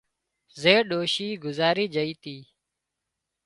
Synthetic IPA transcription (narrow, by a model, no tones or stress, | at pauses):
zeːɗoːʃiːɡʊzaːɾiːd͡ʒəiːt̪iː